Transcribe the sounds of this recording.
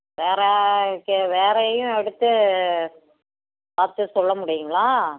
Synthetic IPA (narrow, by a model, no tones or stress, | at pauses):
ʋeːɾɛkʋeːɾɐjʊ̃ɛɽɯt̪ːɯ | paːɾt̪ːɯsɔlːɐmʊɽɪjʊŋɡɐɭaː